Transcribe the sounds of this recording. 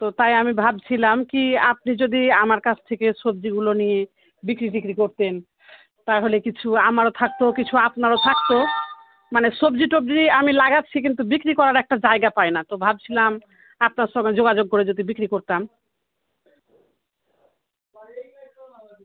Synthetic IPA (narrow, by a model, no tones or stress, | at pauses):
t̪ot̪ajamibʱabt͡ɕʰilamkiap̚nid͡ʑod̪iamaɾkat͡ɕʰt̪ʰekeʃobd͡ʑiɡulonije | bikɾiʈikɾikoɾt̪en | t̪aɾɦolekit͡ɕʰuamaɾot̪ʰak̚t̪okit͡ɕʰuapnaɾot̪ʰak̚t̪o | maneʃobd͡ʑiʈobd͡ʑiamilaɡatːt͡ɕʰikint̪̬ubikɾikɔɾaɾɛk̚ʈad͡ʑaeɡapajnat̪obʱab̚t͡ɕʰilam | apnaɾʃɔŋɡed͡ʑoɡad͡ʑoɡ̚kːoɾed͡ʑod̪ibikɾikoɾt̪am